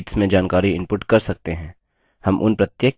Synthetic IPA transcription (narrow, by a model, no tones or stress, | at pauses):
ʈsmẽd͡ʒaːnkaːɾiɪ̃mpʊʈkɐɾsɐk̚t̪eɦɛ̃ː | hɐmʔʊ̰npɾɐt̪jeː